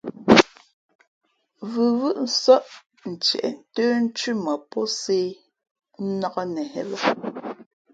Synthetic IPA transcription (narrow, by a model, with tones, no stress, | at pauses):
vʉ˨wɯ˦ʔn̩˦sɔ˦ʔ | n̩˨t͡ʃɛ̰˨ʔn̩˨˦tøː˦n̩˦t͡ʃʉ˦ma˨pɔ˦se˦ | nɔ˦ɣɔ˦nɛ˨hɛ̰˦la˦